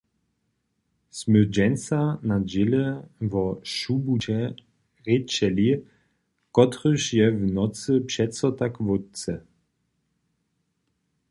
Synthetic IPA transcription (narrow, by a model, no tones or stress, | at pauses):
smød͡ʒɛnsanad͡ʑeləvɔʃubut͡ɕɛ | ʁet͡ʃɛli | kɔtʁəʃjɛvnɔt͡səpʂɛtsɔtakvʊtt͡sə